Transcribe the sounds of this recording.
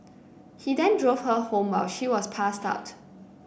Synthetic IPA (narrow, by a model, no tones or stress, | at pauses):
hidɛ̃ndɹov̥həhõmwalʃiwɔspʰasta̰ʊt